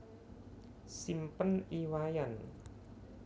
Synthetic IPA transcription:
simpəniwajan

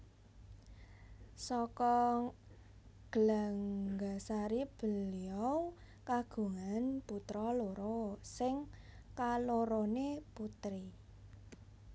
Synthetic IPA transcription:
sɔkɔ | ɡ̥əlaŋɡasaɾib̥ə̤liɔw | kaɡ̥ṳŋanput̪ɾɔloɾoɔsɪŋ | kaloɾoneput̪ɾi

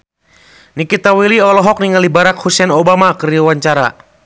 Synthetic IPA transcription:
nikit̪awiliɔlɔɦɔk̚niŋalibaɾak̚husɛnobamakɨriwaɲt͡ʃaɾa̰

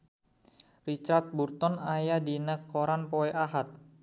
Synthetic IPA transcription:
rit͡ʃart̪̚burt̪ɔnajadinəkːoɾanpoeʔaɦat̪̚

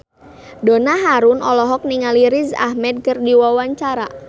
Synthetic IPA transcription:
donaɦaɾʊnɔlɔɦɔk̚niŋaliɾiza̰hmɛd̪̚kɨrdiwawaɲt͡ʃaɾa

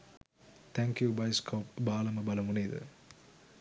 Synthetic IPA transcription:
t̪ʰɛŋkjubɐjskʰoːpbaːlɐmɐbɐlɐmuneːðɨ̰

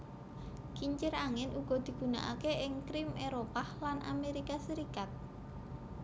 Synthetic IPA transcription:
kiɲt͡ʃɪɾaŋɪnʔuɡ̥ɔ̤d̪̥i̤ɡ̥ṳna̰ʔa̰keɪŋkɾɪmeɾopahlanʔa̰meɾikasəɾikat̪̚

